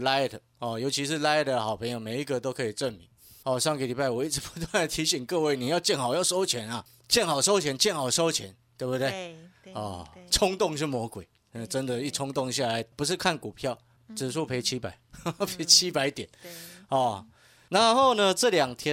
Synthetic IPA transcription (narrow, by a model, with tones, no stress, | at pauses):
la˥ɪ˨d̪ə˨ | ɔ˨˩jo˧ʊt͡ɕʰi˧˥ʂ̬ɻ̩˥˧la˥ɪ˨˩d̪ə˩xɑ˨˩ʊpʰɤ˧˥ŋjo˨˩ʊme˨˩ɪi˦˥ɡə˨t̪o˥ʊkʰɤ˧˥i˨˩ʈ͡ʂə˥˩nmi˨˩˦ | ɔ˨˩ʂɑ˥˧ŋkə˨˩li˨˩pa˥˩ɪwɔ˨i˥˩ʈ͡ʂɻ̩˧˥pu̥˧˦t̪̬wa˥˩nd̪ə˨˩t̪ʰi˨˧˥ɕi˨˩ŋkɤ˥˧we˥˩ɪni˨˩jɑ˥˧ʊt͡ɕjɛ˥˩nhɑ˨˩ʊjɑ˥˩ʊʂo˥ʊt͡ɕʰjɛ˧˥˦na˨ | t͡ɕjɛ˥˩nhɑ˨˩ʊʂo˥ʊt͡ɕʰjɛ˧˦nt͡ɕjɛ˥˩nxɑ˨˩ʊʂo˥ʊt͡ɕʰjɛ˧˥˦nt̪we˥˧bt̪e˥˩ɪɔ˥˩t͡sʰʊ˥ŋt̪ʊ˥˧ŋʂ̬ɻ̩˥˩mwɔ˧˥kwe˨˩ɪ | ə˥˩ʈ͡ʂə˦nd̪ə˨i˥˩ʈ͡ʂʰʊ˥ŋt̪ʊ˥˨˧ŋɕ̬ja˥˩la˧˦ɪpu˧˦ʂ̬ɻ̩˥˧kʰa˥˨nku˨˩pʰjɑ˥˨ʊ | t͡sɻ̩˨ʂu˥˩pʰe˧˥ɪt͡ɕʰi˦˥pa˨˩˦pʰe˧˥˦ɪt͡ɕʰi˥pa˧˦ɪt̪jɛ˨˩˦nɔ˨˩ | na˨˧˦nxo˥˩ʊnə˧ʈ͡ʂɤ˥˨ljɑ˨˩ŋt̪ʰjɛ˥